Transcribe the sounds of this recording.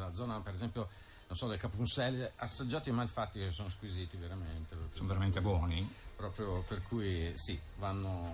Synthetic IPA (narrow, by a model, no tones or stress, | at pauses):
lad̪zːɔːnapeɾezɛmpjo | nonsɔd̪elkapunsɛlasːad͡ʒːaːt̪imajfat̪ːikesːoːnoskwiziːt̪iveɾament̪epɾɔpsonveɾament̪ebwɔːnipɾɔpɾjoperkʰujsivanːo